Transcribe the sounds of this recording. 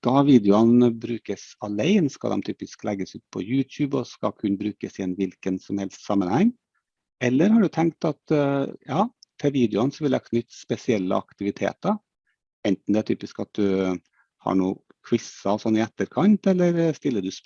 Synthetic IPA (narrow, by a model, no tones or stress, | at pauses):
kɑʋiːd̪ɪʊɑnbɾʉːkəsɑlæɪnskɑ̰d̪ɛ̰mt̪ʰyːpɪsklɛɡːəsʉːt̪̚pʰɔ̰jʉːt̪ʰjʉːbɔskɑ̰kʰʉnbɾʉːkəsɪɛnʋɪlkənsɔmhɛlst̪sɑmːənhɛŋː | ɛlːəɾɦɑɖʉt̪ʰɛŋk̚t̪ɑt̪jɑːt̪ʰɛʋiːd̪ɪʊɑnsɔʋɪld̪ækʰnʏt̪ːspɛsɪɛlːə̰ɑ̰kt̪ɪʋɪt̪ʰḛːt̪ə | ɛnt̪n̩d̪ɛæʈ̪ʰy̰ːpɪskɑt̪̚d̪ʉ | hɑ̰ɳuː | kʰwɪsɑɔsɔnːɪɛt̪ːəɾkʰɑnt̪ɛlːəɾst̪ɪlːəɖʉs